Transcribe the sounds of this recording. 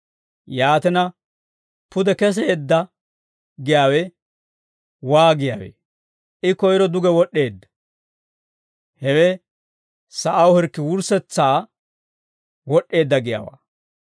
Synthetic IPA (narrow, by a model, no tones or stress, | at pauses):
jaːt̪ɛnɐ | pʊd̪ɛkɛs̬eːd̪ːɐ | ɡɪjaːwɛ | waːɡɪja̰ːwḛ | ʔɪkɔjɾɔd̪ʊɡɛwɔɗːe̞ːd̪ːɐ̥ | hɛwɛ | sɐʔɐwhɛɾkːɪwʊɾsɛt͡sːaː | wɔɗːe̞ːd̪ːɐɡɪja̰ːwa̰ː